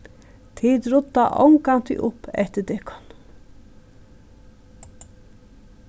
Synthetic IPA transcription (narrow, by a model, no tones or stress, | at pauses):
t̪ʰid̪ɾʊt̪ːaʔɔ̰ŋkant̪ɪ̰ʔʊpːɛ̰ht̪əd̪ɛkʰɔ̥n